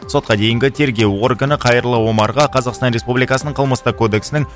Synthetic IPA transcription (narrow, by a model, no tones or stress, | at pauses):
so̞t̪̚qɑd̪e̞jɪŋɡʲɪt̪ʰe̞ɾɡʲe̞wo̞rɡanəqʰɑjəɾlˠəwo̞mɑɾʁɑqʰɑzɑqst̪ɑnɾe̞spublijkɑsənəɴqʰəlˠməst̪əkʰo̞d̪e̞ksɪnɪŋ